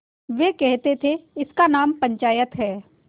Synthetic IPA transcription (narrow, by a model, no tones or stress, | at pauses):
ʋeːkɛɦt̪et̪ʰeɪskanaːmpɐ̃ɲt͡ʃaːjət̪ɦɛː